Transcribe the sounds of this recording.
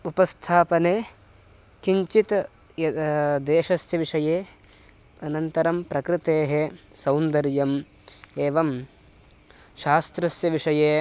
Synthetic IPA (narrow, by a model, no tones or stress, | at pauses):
upɐst̪ʰaːpɐneː | kiɲt͡ʃit̪ | ɐd̪eːʃɐsjɐʋiʂɐjeː | ɐnɐnt̪ɐɾɐmpɾɐkɾɪt̪eːɦesɐwnd̪ɐɾjɐm | eːʋɐm | ʃaːst̪ɾɐsjɐʋiʂɐjeː